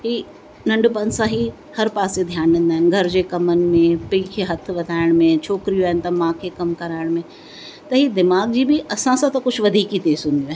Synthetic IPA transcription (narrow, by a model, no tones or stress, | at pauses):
ɦiː | nɐ̃ɳɖpɐnsãɦi | hɐɾpaːsed̪ʱjaːnɖẽːn̆d̪aːɦɪnɡʱɐɾd͡ʑeːkɐmənɪ̆mẽpĩːkʰeːɦɐt̪ʰɪ̆ʋɐd̪ʱaːɪɽ̃mẽt͡ɕʰoːkɾijoaːɦɪnɪ̆t̪ɐmãːkʰekɐmkɐɾaːɪɽ̃mẽ | t̪ɐɦiːd̪ɪmaːɡ̚d͡ʑiːbɪʔɐsãsãt̪ɐkʊd͡ʑʰʱʋɐd̪ʱiːkit̪eːzɦũːn̆d̪iaɦn